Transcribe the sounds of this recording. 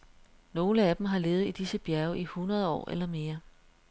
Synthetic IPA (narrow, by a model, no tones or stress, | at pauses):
no̝ːləæd̥m̩ɦɑ̈le̝ːʊð̩ˠid̥isəb̥jæɐʊʔihunʁɐð̞ˠɒ̰ːʔḛlɐme̝ːɐ